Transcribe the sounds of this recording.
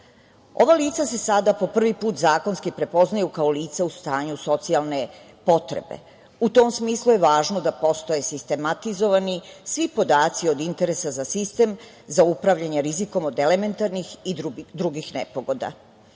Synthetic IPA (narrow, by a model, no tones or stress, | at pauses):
o̞̰ʋaliːt̪sase̞sad̪apo̞pr̩ʋipuːt̪zaːko̞nskipɾe̞po̞znajukao̞liːt̪saust̪aːɲuso̞t̪sialˠne̞ | po̞t̪ɾḛbe̞̰ | ut̪omsmiːslˠuje̞ʋaːʒnod̪apo̞st̪o̞jesist̪e̞mat̪izo̞ʋanisʋipo̞d̪aːt̪sio̞d̪int̪e̞ɾe̞sazasist̪e̞m | zaupɾaʋʎaɲeɾiziko̞mod̪e̞le̞me̞nt̪aɾnixid̪ɾuɡixnepo̞ɡo̞d̪a̰